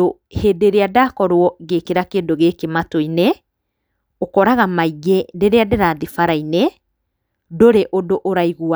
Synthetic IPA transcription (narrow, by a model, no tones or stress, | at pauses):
ohedeɾeadaːkɔɾwɔɣekeɾakeːdoɣeːkematoine | okɔɾaɣamaiɣedeɾeadeɾaðifaɾaine | doɾeʔodoʔoɾaiɣua